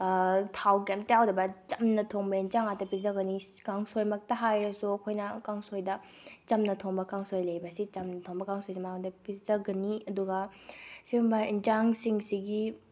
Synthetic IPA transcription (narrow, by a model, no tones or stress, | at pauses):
tʰawkemtɐjawdɐbɐt͡ʃɐmnɐtʰoŋbɐind͡ʒaŋatɐpizɐɡɐnikaŋsojmɐk̚tɐɦajɾɐsuɐkʰojnɐkaŋsojdɐ | t͡ʃɐmnɐtʰoŋbɐkaŋsojlɐjbɐsit͡ʃɐmnɐtʰoŋbɐkaŋsojsimadɐpizɐɡɐniɐduɡɐsiumbɐind͡ʒaŋsiŋsiɡi